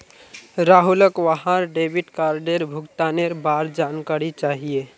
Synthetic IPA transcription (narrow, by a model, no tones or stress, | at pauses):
ɾaːɦuləkʋaɦaɾɖebiʈkaːɾɖeɾbʱʊkt̪aneɾbaːɾd͡ʒankaɾit͡ʃaːɦie